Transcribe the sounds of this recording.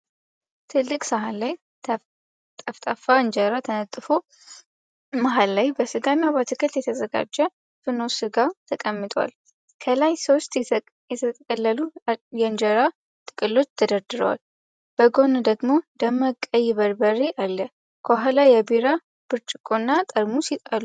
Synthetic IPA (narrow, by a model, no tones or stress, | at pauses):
t̪ʰɨlːɨkʼsaɦalaj | t̪ʼəft̪ʼafaɨnd͡ʒəɾat̪ʰənət̪ʼːɨfo | maɦalːajbəsɨɡanːjabat̪ʰɨkʰɨt̪jɛt̪ʰəzəɡa̰d͡ʒːɛ | fɨno̞sɨɡat̪ʰəkʼəmːɨt̪ʼwa̰l | kʰəlajso̞st̪ | jɛt̪ʰət̪ʼkʼəlːəlujɛɨnd͡ʒəɾa | t̪ʼɨkʼɨlːo̞t͡ʃːt̪ʰəd̪əɾd̪ɨɾə̰wa̰l | b̥əɡo̞nd̪əɡmo̞d̪əməkʼːəjːɪβəɾbəɾeʔalːə | kʰəaɦalajɛbiɾa | b̥ɨɾt͡ʃʼɪkʼonːat̪ʼəɾmusit̪ʼalu